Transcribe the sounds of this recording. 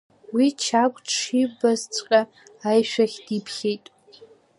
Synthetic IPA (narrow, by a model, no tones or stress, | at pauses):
wit͡ʃʰakʷʼʂibazt͡sʷʼqʲʼa | ajʃʷᶣaχʲd̥ipʰχʲejtʼ